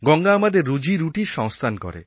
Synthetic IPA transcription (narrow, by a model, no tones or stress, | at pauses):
ɡɔŋɡaːmad̪eɾːud͡ʑiɾuʈiʃɔŋst̪ʰankɔ̰ɾḛ